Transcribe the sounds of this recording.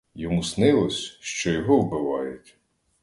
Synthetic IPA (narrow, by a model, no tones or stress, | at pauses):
jɔmusnɪlˠɔsʲʃt͡ʃɔjɔɦɔwbɪʋɑjʊtʲ